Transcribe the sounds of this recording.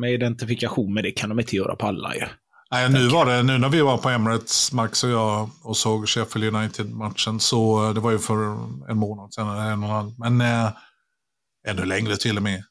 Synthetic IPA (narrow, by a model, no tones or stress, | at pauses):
mɛɪd̪ɛnt̪ɪfɪkaɧuːnmɛd̪ɛkʰand̪ɔmɪnt̪əjœ̰ːɾa̰pʰɔalːa̰jɵ̰ | næɪnʉ̟ːvaɖɛnʉ̟ːnæɾvɪvaɾpʰɔɛmlət̪smaksɔjɑɔsoːɡʂɛfəljɵnajt̪ʰɪd̪mat̪ʂənsɔd̪ɛvaɾjɵfœɾɛ̰nmoːnad̪sɛːnɛɛnːɔnanːmɛn | ɛnd̪ɵlɛŋɾət̪ʰɪlːɔmɛ